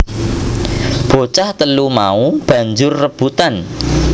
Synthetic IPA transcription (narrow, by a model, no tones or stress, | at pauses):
b̥o̤t͡ʃaht̪əlumaub̥ä̤ɲd͡ʒʊrːəb̥ut̪an